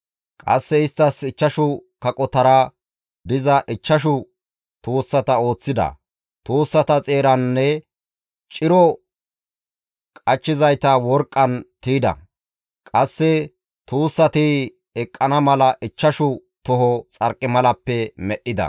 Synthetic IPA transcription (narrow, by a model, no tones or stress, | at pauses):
kʼɐ̰sːɛɪst̪ːɐsɪt͡ʃːɐʃʊkɐkʼɔt̪ɐɾa | d̪ɪzɐʔɪt͡ʃːɐʃ̬ʊ | t̪uːsːɐt̪ɐo̞ːt͡sːɪd̪ɐ̰ | t̪uːsːɐt̪ɐt͡sʼe̞ːɾɐnːɛ | t͡ʃʼɪɾɔ | kʼɐt͡ʃːɪzɐjt̪ɐwɔɾkʼːɐnt̪iːd̪ɐ̰ | kʼɐsːɛ | t̪uːsːɐt̪ɪ | ɛkʼːɐnɐmɐlɐʔɪt͡ʃːɐʃʊ | t̪ɔɦɔt͡sʼɐɾkʼːɪmɐlɐpːɛmɛɗːɪd̪ɐ̰